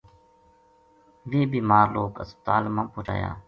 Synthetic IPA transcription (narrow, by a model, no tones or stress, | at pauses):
ʋeːbiːmaːɾloːkəspət̪aːlmãːpoːɾa̰ːja̰ː